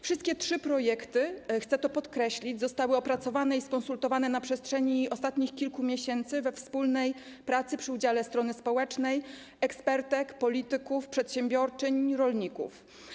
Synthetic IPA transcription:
fʂɨst̪̚kʲɛtʂɘpɾɔjɛkt̪ɘxt̪sɛt̪ɔpɔt̪kɾɛɕlʲid͡ʑzɔst̪awɘɔpɾat̪sɔvanɛiskɔnsult̪ɔvanɛnapʂɛstʂɛɲiʔɔst̪at̪ɲixkʲilkumʲjɛɕɛnt̪sɘvɛfspulnɛj | pɾat̪sɘpʂɘud͡ʑalɛst̪ɾɔnɘspɔwɛt͡ʂnɛj | ɛkspɛɾt̪ɛkpɔlʲit̪ɘkufpʂɛt̪ɕɛmbʲjɔɾt͡ʂɘɲɾɔlɲikṵf

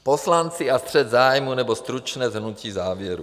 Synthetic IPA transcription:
poslant͡siast̪r̝̥ɛd̪zaːjmunɛbost̪ɾut͡ʃnɛːzɦnuciːzaːvjɛɾṵ

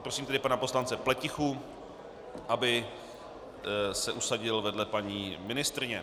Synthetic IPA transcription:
pɾosiːmt̪ɛdɪpanapo̞slant͡sɛplɛcɪxu | ʔabɪ | sɛʔusaɟɪlvɛdlɛpaɲiːmɪnɪst̪ɾɪɲɛ

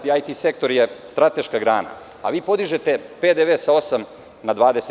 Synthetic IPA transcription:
t̪iajt̪ise̞k̚t̪o̞ɾjest̪ɾat̪e̞ʃkaɡɾaːna̰ | a̰ʋiːpo̞d̪iʒet̪e̞pe̞d̪eʋeːsao̞sam | nad̪ʋaːd̪ese

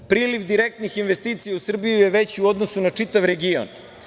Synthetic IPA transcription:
pɾiːliʋd̪iɾek̚t̪nixinʋe̞st̪iːt̪sijausr̩bijujeʋet͡ɕiuo̞d̪nosunat͡ʂit̪aʋɾeɡio̰n

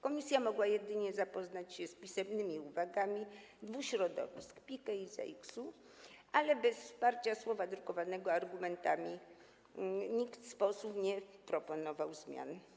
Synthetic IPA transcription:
kɔmʲisʲjamɔɡwajɛd̪ɘɲɛzapɔznat͡ɕɕɛspʲisɛmnɘmʲiuvaɡamʲid̪vuɕɾɔd̪ɔ̰vʲḭskpʲikaiza̰iksu | ʔalɛbɛsfspaɾt͡ɕaswɔvad̪ɾukɔvanɛɡɔaɾɡumɛnt̪a̰mʲi | ɲikt̪spɔsupɲɛpɾɔpɔnɔvawzmʲja̰n

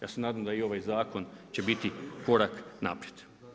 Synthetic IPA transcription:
jaːse̞naːd̪ajmd̪aio̞ʋajzaːko̞nt͡ɕe̞bit̪iko̞ɾakna̰pɾjed̪̥

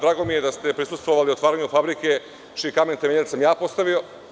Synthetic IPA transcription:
d̪ɾaːɡo̞mije̞d̪ast̪e̞pɾisust̪ʋo̞ʋaliot̪ʋaːɾaɲufabɾike̞ | t͡ʃijekament̪emeʎed̪samjaːpo̞st̪aʋio̞

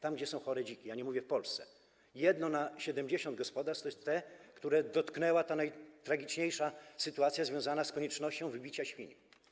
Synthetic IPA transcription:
t̪amɡd͡ʑɛsɔ̃w̃xɔɾɛd͡ʑikʲijaɲɛmuvʲjɛfpɔlst̪sɛ̥ | jɛd̪nɔnaɕɛd̪ɛmd͡ʑeɕɔ̃nd̪̚ɡɔspɔd̪aɾst̪ɔɛst̪ːɛkt̪uɾɛd̪ɔt̪knɛwat̪anajt̪ɾaɡʲit͡ʂɲejʂasɘt̪uat̪sʲjazvʲjɔ̃w̃zanaskɔɲɛt͡ʂnɔɕt͡ɕɔ̃w̃vɘbʲit͡ɕaɕfʲḭɲ

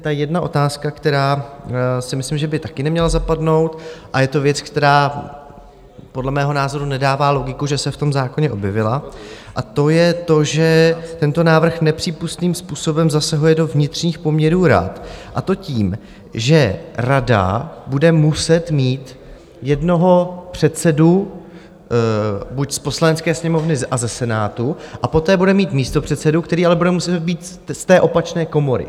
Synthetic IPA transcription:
t̪ajɛdnaʔo̞̰t̪aːskakt̪ɛɾaː | sɪmɪslɪmʒɛbɪt̪akɪnɛmɲɛlazapadno̞wt̪ʔajɛt̪o̞vjɛt͡skt̪ɛɾaː | podlɛmɛːɦo̞naːzo̞ɾunɛdaːvaːlo̞ɡɪkuʒɛsɛft̪o̞mzaːko̞ɲɛʔo̞bjɛvɪlaʔat̪o̞jɛt̪o̞ʒɛt̪ɛnt̪o̞naːvr̩xnɛpr̝̥iːpust̪niːmspuːso̞bɛmzasaɦujɛdo̞vɲɪt̪r̝̥ɲiːxpo̞mɲɛɾuːɾa̰t̪ʔat̪o̞ciːm | ʒɛɾada̰budɛmusɛt̪miːt̪ | jɛdno̞ɦo̞pr̝̥ɛt̪sɛdu | bucspo̞slanɛt͡skɛːsɲɛmo̞vnɪʔazɛsɛnaːt̪uʔapo̞t̪ɛːbudɛmiːt̪miːst̪o̞pr̥ɛt̪sɛdukt̪ɛɾiːalɛbudɛmusɛt̪̚biːt̪ | st̪ɛːʔo̞pat͡ʃnɛːko̞mo̞ɾɪ̰

